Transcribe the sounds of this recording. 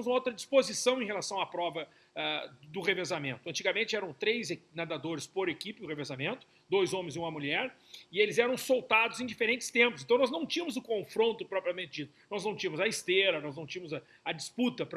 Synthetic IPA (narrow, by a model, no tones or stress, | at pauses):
mʊzũmɐowt̪ɾɐd͡ʒispozisɐ̃w̃ẽhelasɐ̃w̃apɾɔvɐ | ɛd̪ʊʁevezamẽnt̪ʊɐ̃nt͡ʃiɡamẽnt͡ʃɪɛɾɐ̃w̃t̪ɾejzenad̪ad̪oɾɪspoɾekipɪʊʁevezamẽnt̪ʊ̥ | d̪ojzõmẽzɪũmɐmuʎɛɾ | ɪelɪzɛɾɐ̃w̃sowt̪ad̪ʊzẽj̃d͡ʒifeɾẽnt͡ʃɪ̥st̪ẽmpʊs̬ẽt̪ɐ̃nɔznɐ̃w̃t͡ʃĩɐmʊzʊkõfɾõnt̪ʊpɾɔpɾiɐmẽnt͡ʃɪd͡ʒit̪ʊnɔznɐ̃w̃t͡ʃĩɐmʊzɐist̪eɾɐnɔznɐ̃w̃t͡ʃĩɐ̃mʊzɐ | ɐd͡ʒisput̪ɐpɾ